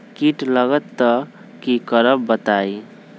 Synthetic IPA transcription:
kiʈləɡət̪ːə | kikəɾəbːət̪ai

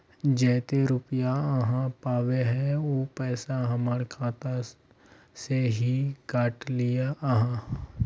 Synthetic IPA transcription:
d͡ʒɛːt̪eɾʊpijaəɦãpaːʋeɦɛ̃oːpɛːsaɦɐmaɽkʰaːt̪a | seɦikaːʈlɪjaʔɦã

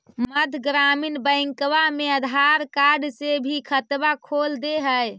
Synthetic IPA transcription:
məd̪ʱɡɾaminbə̃ɪŋkʋameəd̪ʱaɾkaɾɖsebʱikʰət̪bakʰold̪eɦəj

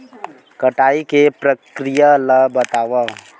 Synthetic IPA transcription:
kɐʈaːikepɾəkɾijaləbɐt̪aːʋa

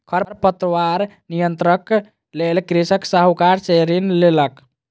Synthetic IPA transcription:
kʰəɾəɾpət̪ɾəwaɾ | nijənt̪ɾək | lelkɾisəksaɦukaɾseɾinlelək

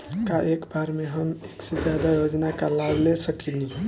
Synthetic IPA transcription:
kaʔekbaɾmeɦəmeksed͡ʒjad̪ajod͡ʒnakalablesəkili

